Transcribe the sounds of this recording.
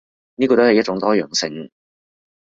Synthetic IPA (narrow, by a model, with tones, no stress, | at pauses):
niː˥kɔː˧t̪o˥hɐ˨jɐ˥t͡ʃʊ˧˥ŋt̪ɔː˥jœː˨˩ŋsɪ˧ŋ